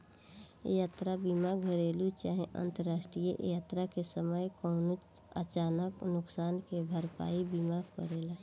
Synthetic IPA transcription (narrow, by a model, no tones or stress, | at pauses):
jaːt̪ɾabimaɡʱəɾeːlut͡ʃaːɦẽʔə̰̃nt̪əɾaːsʈɾijə̰ʔjaːt̪ɾakesəməjkɔːnut͡ʃ | ə̰t͡ʃaːnəknʊksaːnkebʱəɾpa̰ːibimakə̰ɾela